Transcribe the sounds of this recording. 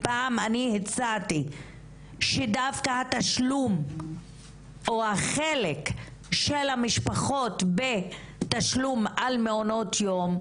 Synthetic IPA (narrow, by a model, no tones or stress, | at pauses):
paːmanihet͡sati | ʃedavkahat̪aʃlum | ʔohaχele̞k | ʃelhamiʃpaχo̞tbe | taʃlumalmeono̞tʰjo̞m